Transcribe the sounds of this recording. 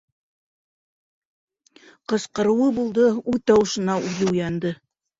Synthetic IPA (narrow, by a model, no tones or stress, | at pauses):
qɤ̆sqɤ̆ɾɤ̆wɤbulˠd̪ɤuðt̪ɑwɤ̆ʃɤ̆nɑʔuðɘujɑnd̪ɤ